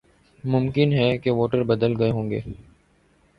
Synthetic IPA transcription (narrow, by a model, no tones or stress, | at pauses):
mʊmkɪnɦɛkeʋoːʈəɾbɐd̪əlɡɐeɦõːŋɡḛː